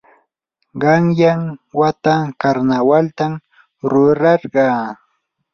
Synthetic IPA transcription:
ɢɑŋjaŋwat̪akaɾnawalt̪am | ɾʊɾɑɾɢɑː

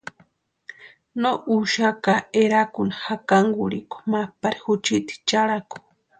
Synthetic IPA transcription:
nouʃakaeɾakunahakaŋɡuɾḭko̥mapaɾixut͡ʃit̪i̥t͡ʃaɾaku̥

